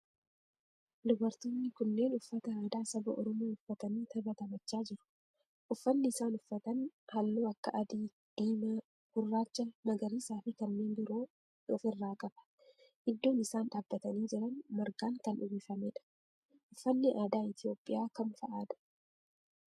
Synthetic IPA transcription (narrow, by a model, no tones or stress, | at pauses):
lʊbɐɾt̪oːnːɪkʊnːe̞ːnʊfːɐt̪ɐaːd̪aːsɐbɐʔɔ̰ɾɔmoːʊfːɐt̪ɐniːt̪ɐbɐt̪ɐmɐt͡ʃːaːd͡ʒɪɾʊ̥ | ʔʊfːɐnːɪɪsaːnʊfːɐt̪ɐnhɐlːuːɐkːɐʔɐd̪iː | d̪̥iːmɐ | ɡ̥ʊrːaːt͡ʃːɐmɐɡɐɾiːsaːfɪkɐnːeːnbʊɾoː | ɔfɪrːaːkʼɐbɐ̥ | ʔɪd̪ːo̞ːnɪsaːnᶑaːbːɐt̪ɐniːd͡ʒɪɾɐnmɐɾɡaːŋkɐnʔʊbeːfɐmeːᶑɐ̥ | ʔʊfːɐnːɪʔaːd̪aːɪt̪ɪjo̞ːpʼːɪjaːkɐnfɐʔaːᶑ̪ɐ̥